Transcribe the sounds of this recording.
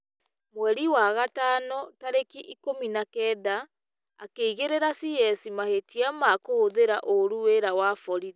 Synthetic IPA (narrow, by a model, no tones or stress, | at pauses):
mwɛɾiwaɣatanɔtaɾekiʔikominakɛda | a̰keiɣeɾeɾasiɛsimahetiamakohoðeɾaʔoɾuweɾawafɔɾið